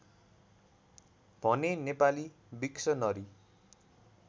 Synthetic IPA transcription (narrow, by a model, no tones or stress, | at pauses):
b̥ʱʌnenepali | biksʌnʌɾi